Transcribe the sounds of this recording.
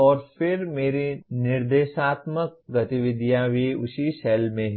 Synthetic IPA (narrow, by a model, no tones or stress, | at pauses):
ɔːɾfɪɾmeːɾinɪɾd̪eːʃaːt̪mək̚ɡɐt̪ɪʋɪd̪ʱjabʱiʊsisɛlmẽɦ